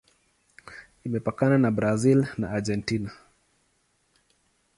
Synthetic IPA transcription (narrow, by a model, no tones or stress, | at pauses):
imɛpakananabɾazilna̰ːd͡ʒɛntina